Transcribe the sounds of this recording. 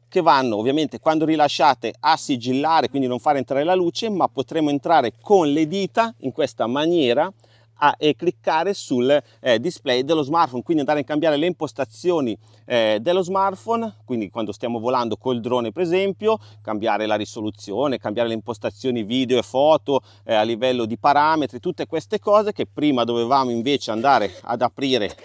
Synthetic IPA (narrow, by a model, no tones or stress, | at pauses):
kevanːoːvːjament̪ekwand̪oɾilaʃːaːt̪easːid͡ʒilːaːɾekwind̪inõɱfaːɾent̪ɾaːɾelaluːt͡ʃemapːot̪ɾemːoent̪ɾaːɾekʰonled̪iːt̪aiŋkwest̪amanjɛːɾa | aʔkːlikːaːɾesul | d̪isplɛjd̪elːozmart̪fonkwind̪ind̪aɾeiŋkambjaːɾeleimpost̪at̪sːjoːni | d̪elːozmart̪fonkwind̪ikwand̪ost̪jaːmovoland̪okonild̪ɾoːnepeɾezɛmpjokambjaːɾelaɾisolut̪sːjoːnekambjaːɾeleimpost̪at̪sːjoːniviːd̪eoefɔːt̪o | alːivɛlːod̪ipaɾaːmet̪ɾit̪ut̪ːekwest̪ekɔːzekepːɾiːmad̪ovevaːmoiɱveːt͡ʃeand̪aːɾea̰d̪apɾiːɾe